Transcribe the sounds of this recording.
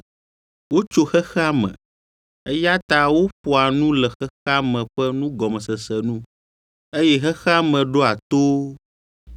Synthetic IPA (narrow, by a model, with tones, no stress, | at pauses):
wo˦t͡ʃo˦xɛ˦xa˦mɛ̰̃˨ | e˦ja˦t̪a˦wo˦ɸo˨a˨nũ˦lɛ˨xɛ˦xa˦mɛ̃˨ɸɛ˦nũ˦ɡɔ˨mɛ̃˨sɛ˨sɛ˨nũ˦ | e˦jɛ˦ɦɛ˦xa˦mɛ̃˨ɖo˦a˨t̪o˦